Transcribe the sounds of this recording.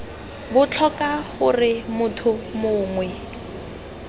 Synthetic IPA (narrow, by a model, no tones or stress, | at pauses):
bʊt͡ɬʰɔkaχʊrɪmʊtʰʊmoːŋwɛ